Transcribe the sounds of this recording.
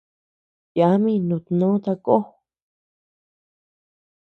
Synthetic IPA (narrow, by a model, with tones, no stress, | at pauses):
jja˨˦mĩ˦nũ˧˨t̪nõ˦t̪a˧ko˦